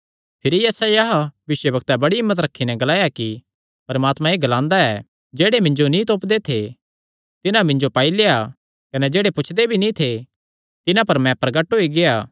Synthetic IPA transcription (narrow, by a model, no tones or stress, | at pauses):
pʰɪɾijɛːsajaɦaʋɪswəbɐkt̪abɐɽiɦɪmːət̪̬ɾɐkʰːinɛɡɐlaːjaki | pɐɾmaːt̪mãeːɡɐlãːnd̪aɛː | d͡ʒeːɽemɪ̃ɲd͡ʒonĩt̪̬oːpd̪et̪ʰe | t̪ɪnãmɪ̃ɲd͡ʒopaːileːa | kɐnɛd͡ʒeːɽepʊt͡ʃʰd̪ebʱinĩt̪ʰe | t̪ɪnãpɐɾmɛ̃pɾɐɡəʈɦoiɡeaː